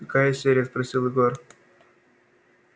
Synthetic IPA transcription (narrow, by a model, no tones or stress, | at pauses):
ɐkajəsʲeɾʲɪjəspɾɐsʲilˠɪɡo̞r